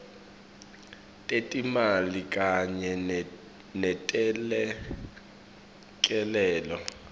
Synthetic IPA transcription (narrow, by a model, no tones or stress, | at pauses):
tʼetʼimalikʼaɲɛ | nɛtʼɛlɛ | kʼɛlɛːlɔ